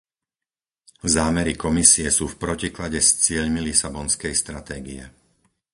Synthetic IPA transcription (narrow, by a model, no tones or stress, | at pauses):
zaːmɛɾikɔmisiɛsuːfpɾɔciklaɟɛst͡sɪɛʎmilisabɔnskɛjst̪ɾat̪ɛːɡḭɛ̰